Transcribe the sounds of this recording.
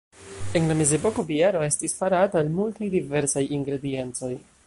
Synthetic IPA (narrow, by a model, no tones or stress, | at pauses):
e̞nlame̞ze̞po̞ko̞biaɾo̞e̞stisfaɾataːlmultajdive̞ɾsajiŋɡɾe̞die̞nt͡so̞j